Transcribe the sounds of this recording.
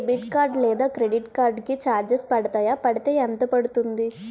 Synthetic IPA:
ɖiʈkaːɾɖlɛːd̪aːkɾe̞ɖiʈkaːɾɖkit͡ʃaːɾd͡ʒespɐɽɐt̪aːjapɐɽit̪e̞ːɐnt̪ɐpɐɽut̪und̪i

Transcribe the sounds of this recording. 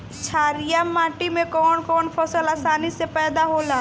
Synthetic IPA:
t͡ʃʰaːɾijamːaːʈimẽkɔːnkɔːnpʰɔsəlaːsaːnisepɛːd̪aɦoːlaː

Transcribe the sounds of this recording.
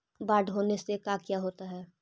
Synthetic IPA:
baːɖɦoːnesekakjaːɦoːt̪aɦɛː

